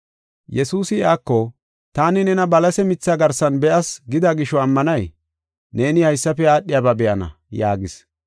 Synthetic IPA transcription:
jɛsuːsɪaːkːɔ | t̪aːnɪnɛnɐbɐlɐsɛmɪt͡sːaɡɐɾsɐnbɛʔɐsɡɪd̪aɡɪʃɔɐmːɐnɐj | ne̞ːnɪhɐjsːɐpɛaːɗːɪjaːbabɛʔɐnɐ̰ | ja̰ːɡɪs

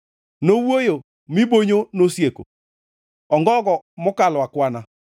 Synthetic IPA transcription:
nowojo | miboɲonosjeko̰ | ɔŋɡɔɡɔmɔkalwakwana

